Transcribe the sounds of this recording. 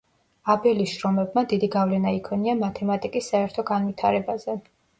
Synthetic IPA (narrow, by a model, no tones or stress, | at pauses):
abɛliʃɾɔmɛb̚mad̪id̪iɡavlɛnaikʰɔniamat̪ʰɛmat̪ʼikʼisːaɛɾt̪ʰɔɡanvit̪ʰaɾɛbazɛ